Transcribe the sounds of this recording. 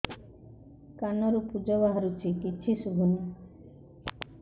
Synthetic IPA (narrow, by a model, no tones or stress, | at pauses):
kanɔɾupud͡ʒɔbaɦaɾut͡ʃʰikit͡ʃʰisuɡʱunu